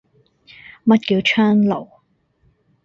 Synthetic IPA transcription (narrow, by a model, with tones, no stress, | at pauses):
mɐ˥t̚kiː˧wt͡ʃʰœː˥ŋlo˨˩w